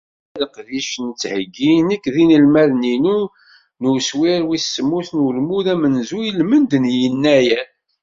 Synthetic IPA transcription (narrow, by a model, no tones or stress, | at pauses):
æləqðiʃnət͡sːhəɡːinækːðinəlmæðninu | nuswiɾwisːəmːuθnulmuðæmənzujəlmənd̪njənːæjæn